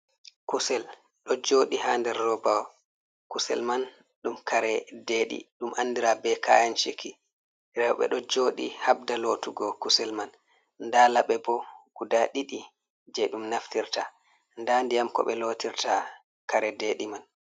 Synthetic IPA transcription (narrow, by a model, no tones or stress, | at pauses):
kusɛl | ɗɔd͡ʒoːɗihaːndɛɾːɔbaw | kusɛ̰lman | ɗumkʰaɾɛdeɗḭɗumʔanːdiɾabɛkʰa̰jant͡ʃikʰi | ɾɛw̰ɓɛ̰ɗɔd͡ʒoɗḭhab̚daloːtuɡɔkusɛlman | ndalaɓɛbɔɡ̥udaɗiɗi | d͡ʒɛɗumnaftiɾta | ndandijamkɔ̰ɓɛlotiɾta | kaɾɛdeːɗiman